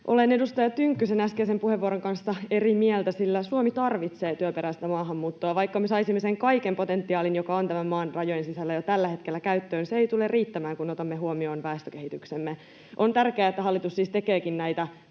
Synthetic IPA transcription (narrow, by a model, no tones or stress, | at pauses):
ʔo̞̰lene̞dust̪ɑjɑt̪yŋkːysenæskesempuheʋːuoɾoŋkɑnsːɑe̞rimiɛlt̪æsilːæsuomit̪ɑrʋit̪seːt̪yøpeɾæist̪æmɑːɦɑmːuːt̪ːoɑʋɑjkːɑmesɑisimːeseŋkɑikempo̞t̪ent̪ːiɑːlinjokɑont̪æmæmmɑːnrɑjojensisælːæjot̪ælːæhe̞t̪kelːækæyt̪ːøːnseeit̪ulerriːt̪ːæmæːŋkunot̪ɑmːeɦuomio̞ːnʋɑest̪øke̞hit̪yksemːe | ʔont̪ærkeæːet̪ːæhɑlːit̪usːiːst̪ekeːkinnæjt̪æ